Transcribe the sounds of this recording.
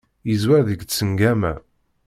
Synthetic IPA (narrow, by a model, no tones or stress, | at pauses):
jəzwæɾðəɡt͡sːəŋɡæmæ̰